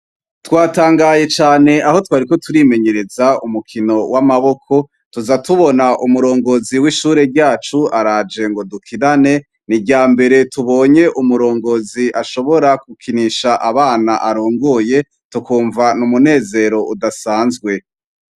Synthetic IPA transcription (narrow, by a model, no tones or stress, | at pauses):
twaːtaːŋɡaːje̞t͡ʃaːne̞ʔaho̞twaːɾiko̞tuɾiːme̞ɲe̞ɾe̞zaṵmukʰino̞wʔamaβo̞kʰo̞ | tuzatuβo̞naʔumuɾo̞ːŋɡo̞ziwiːʃuːɾe̞ɾɟaːt͡ʃuaɾad͡ʒe̞ŋɡo̞dukʰinane̞ | niɟaːmbe̞ɾe̞tuβo̞ːɲe̞ʔumuɾo̞ːŋɡo̞ziʔaʃo̞βo̞ɾak̚ukʰiniʃaʔaβaːnaʔaɾoːŋɡoje̞ | tukuːɱvanumune̞ːze̞ɾo̞ʔudasaːnzɡwe̞